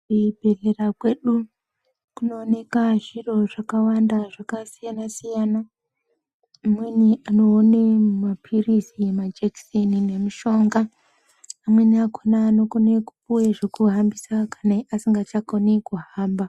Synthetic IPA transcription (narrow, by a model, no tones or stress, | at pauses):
ubʱe̞ɮe̞rakwe̞ɗu | kuno̞ːne̞kaʐiro̞ʐakawandaʐakasijanasijana | mwe̞niʔano̞ːnemapʰiriziemad͡ʒeksenine̞muʃo̞ŋɡaː | mwe̞niakonaːno̞koneku̥puweʐekuɦambisakaneʔasiŋɡat͡ʃakonekuɦaːmba